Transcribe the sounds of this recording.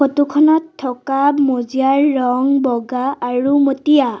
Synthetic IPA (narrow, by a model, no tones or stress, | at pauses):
otukʰɔnatʰːɔkamozijaɹːɔŋbɔɡaːɹumotija